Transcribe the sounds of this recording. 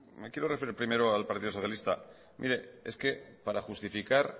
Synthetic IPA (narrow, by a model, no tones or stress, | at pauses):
me̞kje̞ɾo̞re̞feɾiɾpɾime̞ɾoalpaɾt̪iðoso̞θjalist̪a | mʔḭɾe̞e̞̰ske̞paɾaxust̪ifikaɾ